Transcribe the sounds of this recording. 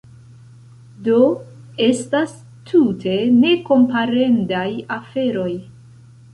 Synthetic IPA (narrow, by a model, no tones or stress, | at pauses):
do̞ | e̞stas | tʰutʰe̞ne̞ko̞mpaɾe̞ndajafe̞ɾo̞j